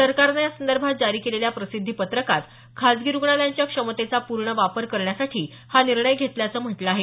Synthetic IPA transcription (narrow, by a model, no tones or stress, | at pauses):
səɾkaɾnajasənd̪əɾbʱat̪̚d͡zaɾiːkeleljapɾəsid̪ʱːiːpət̪ɾəkat̪ | kʰad͡zɡiɾuɡɳaljaɲt͡ɕjakʂəmət̪et͡sapuɾɳəʋapəɾkəɾɳjasaʈʰiː | haniɾɳəjɡʱet̪ljat͡səːm̤əʈləaɦe